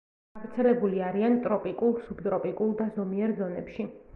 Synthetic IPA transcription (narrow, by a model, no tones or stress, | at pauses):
avɾt̪sʰɛlɛbuliaɾiant̪ʼɾɔpʼikʼulˠsubt̪ʼɾɔpʼikʼulˠd̪azɔmiɛɾzɔnɛpʃi